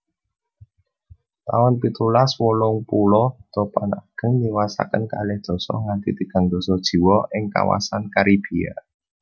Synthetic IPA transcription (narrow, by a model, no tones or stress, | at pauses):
t̪awɔnpit̪ulaswɔlɔŋpulɔt̪ɔpanaɡ̥ə̤ŋniwasa̰kənkalɛhd̪̥ɔ̤sɔ̰ŋant̪it̪iɡ̥a̤ŋd̪̥ɔ̤sɔd̥ʒ̥i̤wɔʔɪŋka̰wa̰sankaɾib̥i̤a̰